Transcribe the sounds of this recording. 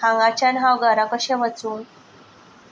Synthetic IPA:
ãŋɡat͡ɕanɦawɡaɾakəɕeʋət͡suːn

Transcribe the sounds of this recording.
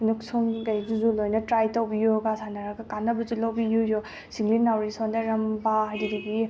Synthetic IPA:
nuksɔŋɡajzuzulojnɐtɾajtawbijuɡasanaɾaɡakanːabɯzulawbijujɔ | siŋlinːawɾisɔndaɾɐmbaɦajdidiɡi

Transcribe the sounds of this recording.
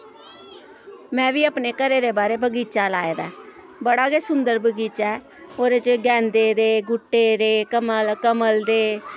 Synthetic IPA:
mɛ̃ːʋiːəpneːkəɾeːd̪eːbaːɾeːbəɡiːt͡ʃaːlaːeːd̪a̰ː | bəɽaːkeːsʊnd̪əɾbəɡiːt͡ʃaɛɛ | oːɾet͡ʃɡɛ̃ːnd̪eːd̪eːɡʊʈːeːɾeːkəməlkəməld̪eː

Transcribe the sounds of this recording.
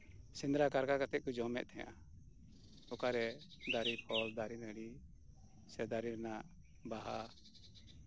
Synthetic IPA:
sind̪ɾakaɾkakat̪ɛkud͡ʒɔmɛʔ̚t̪ʰɛjã̰ | ɔkaɾɛd̪aɾipʰɔld̪aɾinəɽi | sɛd̪aɾiɾɛnaʔ | baɦa

